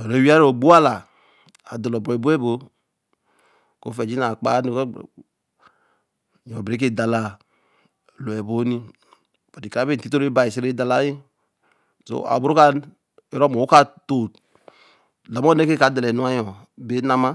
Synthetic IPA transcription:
o˨ɾe˨˦wi˦a˦ɾo˨ɡ͡bo˦a˦la˨ | a˨de˨lɔ˨bɾɔ˨bu˦e˦bo˨˦ | ko˦fɛ˨d͡ʒi˦na˨k͡pa˦ni˦k | ɔ̃˨bɾe˨˦k̬e˦˨da˨la˨ | lo˨ɛ˨bo˦ni˦ | ba˨di˨ka˨a˦be˦˨ti˦to˦ɾe˦ba˨i˨si˦ɾe˦da˨la˨˦ji˦ | so̰˦a̰˨bu˦ɾu˦ka˦ | e˦ɾɔ˦mo˨u˦ka˦to˨t | lɔ˨m˦ɔ˦ne˦ke˦ka˨˦de˨lɛ˨nu˦a˦jɔ˨ | be˦na˦ma˦

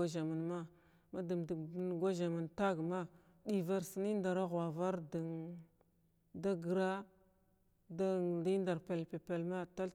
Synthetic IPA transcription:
a˦ʒa˨ma˨nma˦ | ma˦di˨mdn˨ɡʷa˦ʒa˨ma˨nta˦ɡma˦ | ɗi˨va˦ɾsi˦ni˦nda˨ɾa˦ɣa˨va˦ɾdi˨ŋ | da˦ɡɾa˦ | da˦di˦nda˨ɾpe˨lpe˨pe˨lma˦ta˦l

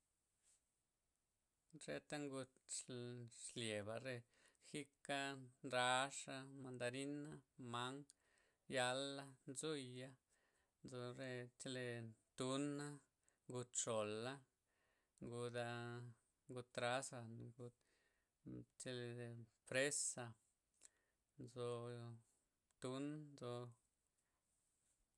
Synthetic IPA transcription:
ɾe˧t̪a˦ŋɡu˧t̪ | ʃlje˨ba˨ɾe˧ | xi˦ka˦nɾa˨˧˦ʂa˧ma˧nd̪a˧ɾi˦na˦ma˦ŋ | ja˧la˦nzu˦ja˦ | nd͡zo˧ɾe˧t͡ʃe˧le˧t̪u˦na˦ | ŋɡu˧t̪ʂo˨la˦ | ŋɡu˧d̪a˧ | ŋɡu˧t̪ːɾa˦sa˧n˧ɡu˧t̪ | t͡ʃe˧le˧e˧pɾe˦sa˧ | nd͡zo˧ | t̪u˦nd͡zo˧

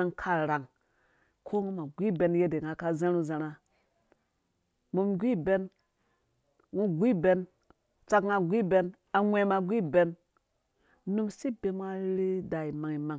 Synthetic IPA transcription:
a˦ŋkʰa˦ɾa˨ŋ | kʰo˦ŋu˦ma˨ɡʷi˦be˦nje˦de˨ŋa˨ka˦zã˦ɾu˦za˨ɾa˨ | mu˦mɡʷi˦be˦n | ŋu˦ɡʷi˦be˦n | t͡sa˧kŋa˨ɡʷi˦˨be˦n | a˨ŋʷe˨ma˨ɡʷi˦be˨˦n | nu˦msi˦be˦m˦a˦ɾi˦da˨i˨ma˨ŋi˨ma˨ŋ

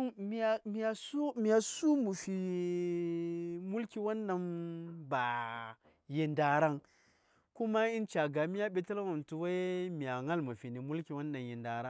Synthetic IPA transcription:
mi˨a˨mi˨ja˨su˦mi˨a˨su˦mu˨fi˨ | mu˦lki˨wa˦nːa˨nba˨ | je˨nda˨ɾa˦ŋ | ku˦ma˦i˦nt͡ʃa˨ɡa˨mi˦ja˦ɓe˨ta˦lwa˨m˨tu˨wa˦mi˨ja˨ŋa˦lmu˨fi˨ni˨mu˦lki˨wa˦nːa˨nje˨nda˨ɾa˦

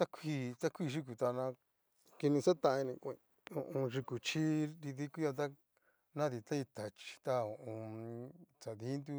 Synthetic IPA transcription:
t̪a˦kʷʰi˧˦t͡s̪a˦kʰʷi˦˧ʃ̬i˦k̬u˨t̪a˧nã˧ | ki˧nĩ˧sa˦t̪ã˧ĩ˧nĩ˧kʷẽ˧ | õ˨ʔõ˧ʐi˧ku˨t͡ʃʰi˦ɾi˧ði˦ku˦ja˧t̪̬a˦ | nã˦ði˧t̪a˦i˧t̪ʰa˨t͡ʃi̥˧t̪a˧õ˨ʔõ˧ | t͡sa˨ði˧˦nd̪u˦

